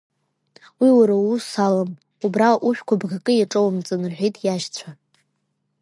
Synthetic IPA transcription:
wiwaɾausalam | ubraʔuʃᶣkʷʰabɡakʼɨjaʈ͡ʂʼowamt͡sʼɨnrħʷᶣijtʼʰjaʃt͡sʷʰa

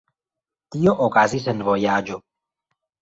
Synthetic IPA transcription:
t̪ijoʔokaːzisɐnvoːjaːd͡ʒo

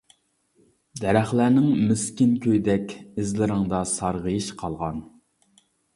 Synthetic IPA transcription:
d̪ɛɾɛχlænɪŋmyskʲɪnkʲʰøjd̪ɛkʲɪzlɪɾɪŋd̪ɑsɑɾʁəjiʃqʰɑlˠʁɑn

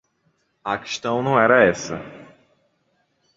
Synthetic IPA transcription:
ɐke̥ʃt̪ɐ̃w̃nɐ̃w̃ɛɾɐɛsɐ

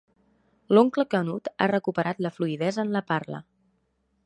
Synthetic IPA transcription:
loŋkləkənut̪a̰rəkupəɾʔat̪ləfluiðɛzəːnləparlə̰

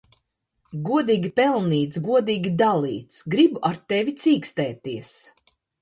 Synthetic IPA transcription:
ɡuɔd̪iːɡʲipɛlˠniːt̪sɡuɔd̪iːɡʲid̪alˠiːt̪sɡɾibuʔaɾt̪ɛvʲit̪siːkst̪ɛːt̪iɛs

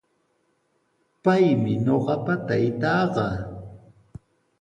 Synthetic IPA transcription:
pajmɪɲoɢɑpat̪ajɪt̪ɑːɢɑ

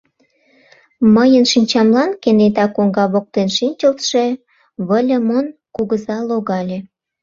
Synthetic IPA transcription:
məjənʃinʲt͡ɕɑmlɑnkenet̪ɑkoŋɡɑβok̚t̪enʃinʲt͡ɕəlt̪ʃe̽ | βəlʲemonkuɣəzɑloɣɑlʲe

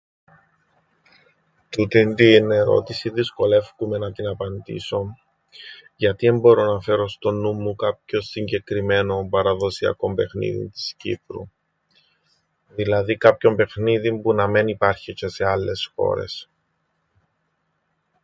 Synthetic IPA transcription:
t̪ut̪int̪ine̞ɾo̞̰t̪isiðisko̞le̞fkume̞nɐt̪inɐpɐnd̪ḭso̞ | ʝɐt̪iembo̞ɾo̞nɐfe̞ɾo̞st̪o̞nːumːukɐp̚ço̞siɲɟe̞kɾime̞no̞mpɐɾɐðo̞siɐ̰ko̞mbe̞xnḭðḭnt̪i̥scḭpɾṵ | ðilɐðikɐpço̞mbe̞xniðimpunɐmenipɐɾçice̞se̞ɐlːe̞sxo̞̰ɾe̞̰s

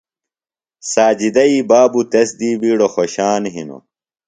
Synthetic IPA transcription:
saːd͡ʑid̪ɐibaːbut̪ɐsd̪iːbiːɽoxoɕaːnɦḭno̰

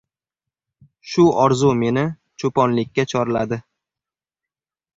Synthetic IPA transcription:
ʃʊɒɾzume̞nɪ | t͡ʃʰopɒnlɪkʲːat͡ʃʰɒɾɪla̰d̪ɪ

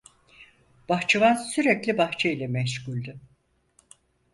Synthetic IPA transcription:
b̥axt͡ʃʰavansyɾɛclʲibaxt͡ʃʰailʲɛmɛʃɡulʲd̪ɪ

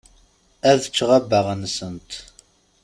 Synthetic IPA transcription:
æðət͡ʃːʁabːəʁənsənt̪

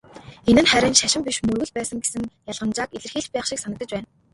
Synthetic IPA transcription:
enɘ̆nχæɾʲɪ̆nʃaʃɪ̆mpʲiʃmɵrɣɘ̆ɮpæːsə̆ŋɡesɘ̆ŋjaɮʁə̆nt͡ɕaːkiɮɘ̆rxiːɮt͡ɕpæːχʃĭksanə̆t̪ə̆t͡ɕpæːn

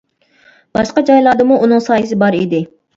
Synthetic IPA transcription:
b̥ɑʃqɑd͡ʒɑjlˠɑd̪ɨmuʔunɨŋsɑːjɨs̬ɪbɑɾid̪ɪ

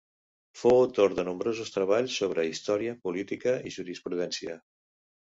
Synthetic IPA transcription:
foːt̪oɾðənumbɾozust̪ɾəβ̞aʎsːoβ̞ɾəist̪ɔɾiəpulit̪ikəʔiʒuɾispɾuðɛnsiə

